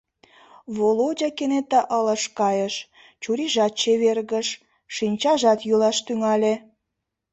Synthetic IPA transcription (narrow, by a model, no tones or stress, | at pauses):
βolod͡ʑɑkenet̪ɑʔələ̆ʃkɑjəʃ | t͡ɕuɾiʒɑt̪̚t͡ɕeβerɣəʃ | ʃinʲt͡ɕɑʒɑt̪julɑʃt̪yŋɑlʲe